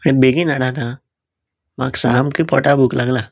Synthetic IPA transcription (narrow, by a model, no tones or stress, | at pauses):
ĩbeːɡinaɽat̪ʰa | maːksaːmkipɔːʈabuklɐɡlaː